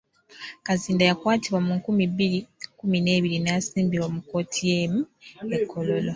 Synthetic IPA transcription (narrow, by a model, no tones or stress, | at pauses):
kaziːndajakwaːtiβwamuŋkumibiɾikumine̞ːβiɾinaasiːmbiɾwamuko̞ːtʰijeːmuekʰːo̞lo̞lo